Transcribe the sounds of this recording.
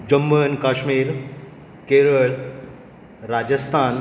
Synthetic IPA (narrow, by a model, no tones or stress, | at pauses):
d͡ʑəmːənkaːʃmiːɾ | keːɾəɭ | ɾaːd͡ʑəst̪ʰaːn